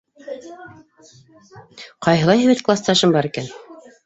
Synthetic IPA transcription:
qɑjɦɤ̆lˠɑjɦɘ̆βæt̪klˠast̪ʰɑʃɤmbɑɾikæn

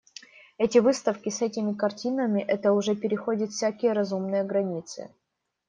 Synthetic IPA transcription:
ɛtʲɪvɨst̪əfkʲɪsɛtʲɪmʲɪkɐrtʲinəmʲɪʔɛt̪əʊʐɛpʲɪɾʲɪxodʲɪt̪fʲsʲækʲɪjəɾɐzumnɨjəɡɾɐnʲit̪sɨ̰

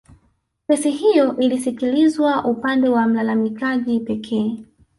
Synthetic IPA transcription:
pɛsihijɔʔilisikilizwaʔupandɛwam̩lalamikaʄipɛkʰɛː

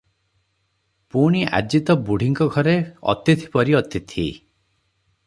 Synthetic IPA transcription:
puɽ̃ia̰d͡ʒit̪ɔbuɽ̤ʱiŋkɔɡʱɔɾeɔ̰t̪it̪ʰi̥pɔɾiɔt̪it̪ʰḭ

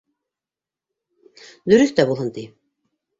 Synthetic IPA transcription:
d̪ɵ̆ɾɵθt̪æbulˠɦɤnt̪i

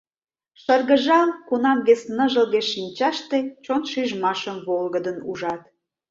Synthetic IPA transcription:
ʃərɣəʒɑmkunɑmβesnəʒəlɣeʃːinʲt͡ɕɑʃt̪et͡ɕonʃyʒmɑʃəmβolɣəd̪ənuʒɑt̪

